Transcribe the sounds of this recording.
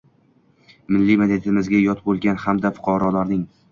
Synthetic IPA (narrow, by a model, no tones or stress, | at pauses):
mɪlːimed̪et̪ʰɪmɪzɡʲajɒt̪bolˠɡʲanhamd̪afʊ̥qʰɒɾɒlaɾnɪŋ